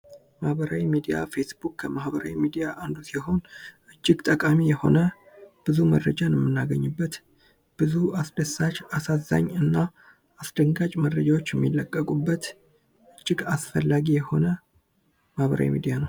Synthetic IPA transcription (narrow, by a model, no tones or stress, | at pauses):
mahbəɾawimid̪ija̰fe̞sbukkʰːəmahbəɾa̰wimid̪ijaʔand̪usjɛɦo̞nʔɨd͡ʒːɪɡt̪ʼəkʼamijɛho̞̰nə | b̥ɨzumə̰rːəd͡ʒanɛmːɨnːaɡəɲːɨbːət̪ | b̥ɨzuasd̪əsat͡ʃasaza̰ɲːɨnːa | asd̪əŋɡat͡ʃʼməɾːəd͡ʒawo̞t͡ʃːjɛmːilːəkʼːəkʼubːət̪ | ɨd͡ʒːɪɡasfəlːaɡijɛho̞nə | mahβə̰ɾa̰wḭmḭd̪ijanəw